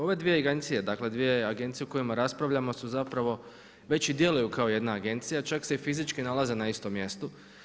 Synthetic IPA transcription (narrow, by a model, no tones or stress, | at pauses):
o̞ʋe̞d̪ʋijeaɡent̪sije̞d̪akle̞d̪ʋije̞aɡe̞nt̪sijeuko̞jimaɾaspɾaʋʎamo̞suzapɾaʋo̞ | ʋe̞t͡ɕid̪je̞lujukaoje̞d̪naːɡe̞nt̪sijat͡ʃaksefizit͡ʃkinalˠaze̞naist̪o̞mje̞st̪o